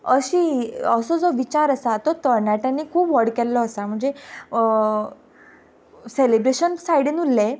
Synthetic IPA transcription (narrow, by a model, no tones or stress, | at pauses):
əɕiːəsɔd͡zɔʋit͡ɕaɾəsat̪ɔt̪əɾnaʈjãnːiːkʰuːpʋəɽkɛlːɔəsam̤əɳd͡ze | selebɾeɕənsajɽinulːe